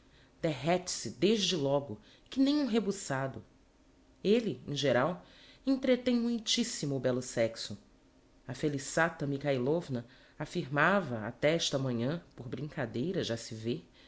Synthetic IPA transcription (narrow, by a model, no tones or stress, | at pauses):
d̪̥eɦɛt͡ʃɪ̥sɪd̪eʒd͡ʒɪlɔɡʊ | kɪnẽj̃ũɦebusad̪ʊ | elɪḛ̃ʒeɾaw | ẽnt̪ɾet̪ẽj̃mũjt͡ʃisimʊːbɛlʊsɛksʊ | ɐfelisat̪ɐmikajlovnɐ | afiɾmavɐa̰t̪ɛɛʃt̪ɐmɐ̃ɲɐ̃poɾbɾĩŋkad̪ejɾɐʒasɪve